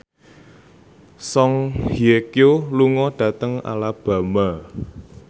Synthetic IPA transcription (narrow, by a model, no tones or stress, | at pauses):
sɔŋhiekjoluŋɔɖ̥ä̤t̪əŋa̰lab̥a̤ma